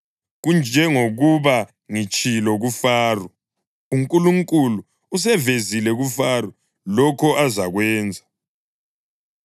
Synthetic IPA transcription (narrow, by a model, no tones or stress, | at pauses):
ɣund͡ʒʱɛŋoɣuβa | ŋit͡ʃʼʰilɔɣufaːrɔ | uŋkʼuluŋkʼuluː | s̬ɛvezilɛɣufaːrɔ | lɔkʰɔʔazaɣwɛːnd͡zʱa